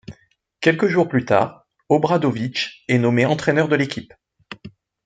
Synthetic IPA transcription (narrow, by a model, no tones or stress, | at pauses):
kʲɛlkəʒuʁplyt̪a̰ːʁ | ɔbʁad̪ovit͡ʃɛnɔmeɑ̃t̪χɛnœʁd̪əlekʲip